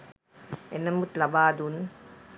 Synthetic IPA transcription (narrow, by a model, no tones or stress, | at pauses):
enːɐmut̪lɐbaːd̪un